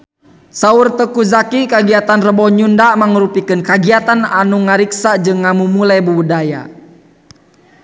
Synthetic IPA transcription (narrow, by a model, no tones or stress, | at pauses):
saurt̪əkuzakikaɡiat̪anrəbɔɲundamaŋəɾupikənkaɡiat̪ananuŋaɾiksad͡ʒɨŋːamumulajbəwudaja̰